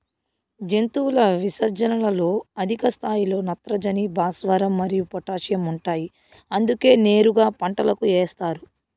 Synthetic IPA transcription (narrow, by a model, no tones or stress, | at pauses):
d͡ʒe̞nt̪uːlɐʋisɐɾd͡ʒɐnɐlɐlo̞ːɐd̪ʱikɐst̪ʰaːjilo̞ːnɐt̪ɾɐd͡ʒɐnibʱaːsʋɐɾɐmːɐɾijupɔʈaːʂjɐmuɳʈaːji | ɐnd̪uke̞ːne̞ːɾuɡaːpɐɳʈɐlɐkueːst̪aːɾu